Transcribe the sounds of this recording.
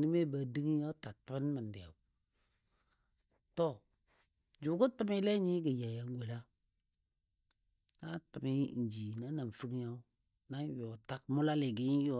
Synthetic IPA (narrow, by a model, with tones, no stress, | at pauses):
ni˦me˦ba˨di˦ŋ˦ja˦ta˨tə˦n˦mə˨n˨dɪ˨a̰˨ | to˦˨ | d͡ʒu˨ɡu˦tə˦mi˦lɛ˦ɲi˦ɡə˨ja˨ja˨ŋ˦we˨la˦ | na˦tə˨mi˦˨d͡ʒi˨na˨˦na˨n˨fɨ˦ŋ˦ja˦u˦ | na˦jo˨ta˦k̚mʊ˦la˦li˨ɡi˦jo˨